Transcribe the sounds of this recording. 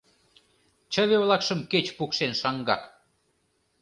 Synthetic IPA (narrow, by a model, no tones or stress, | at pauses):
t͡ɕə̆βeβlɑkʃə̆mket͡ɕpukʃenʃɑŋɡɑ̰t